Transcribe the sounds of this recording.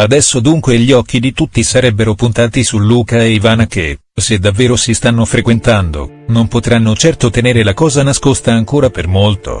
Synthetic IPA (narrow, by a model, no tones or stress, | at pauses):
ad̪ɛsːod̪uŋkweʎiɔk̟ːid̪it̪ut̪ːisaɾɛbːeɾopunt̪aːt̪isulːuːkaeivaːnake | sed̪ːavːeːɾosist̪anːofɾekwent̪and̪o̰ | nompot̪ɾanːot͡ʃɛrt̪ot̪eneːɾelakɔːzanaskost̪aːŋkoːɾapermolt̪o̰